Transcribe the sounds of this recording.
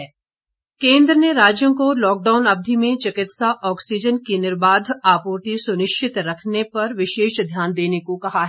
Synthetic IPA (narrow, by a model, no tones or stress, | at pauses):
ɛː | kẽːnd̪ɾəneɾaːd͡ʒjõkolɔːk̚ɖaːʊnɐb̚d̪ʱimẽt͡ʃɪkɪt̪saʔɔːksid͡ʒənkinɪɾbaːd̪ʱaːpoːɾt̪isʊnɪʃt͡ʃɪt̪ɾɐkʰnepɐɾʋɪʃeːʃd̪ʱjaːnd̪eːnekokɐɦaɦː